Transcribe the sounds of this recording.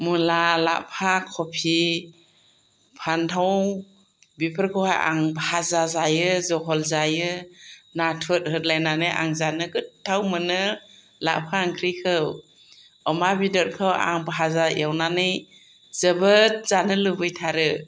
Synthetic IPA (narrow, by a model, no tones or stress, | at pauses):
mulala̰ʔpʰakʰɔpʰi | pʰantʰaw | bipʰɯɾkʰɔwhaʔa̰ŋbhazazajɯzɔɦɔlzajɯnatʰɔt̚ɦɯt̚lajnanɯjʔa̰ŋzanɯɡɯt̚tʰːawmɯnɯ | la̰ʔpʰaːŋkʰɾijkʰɯw | ɔmabidɔt̚kʰɯwa̰ŋbɦazaj̰awnanɯj | zəbɯt̚z̥anɯlɯbɯjtʰaɾɯ